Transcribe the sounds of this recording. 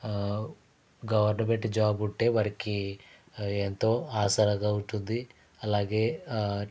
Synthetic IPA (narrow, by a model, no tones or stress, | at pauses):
ɡɐʋɐɾnɐbeʈːid͡ʒaːbuɳʈe̞ːʋɐɾɐki | ent̪o̞ːaːsɐɾɐɡaːuɳʈund̪i | ɐlaːɡe̞ː